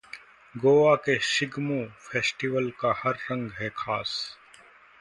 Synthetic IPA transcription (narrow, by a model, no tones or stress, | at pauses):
ɡoːakeʃɪɡmõfʰɛːsʈɪʋəlkahɐɾːɐ̃ŋɡɦɛkʰaːs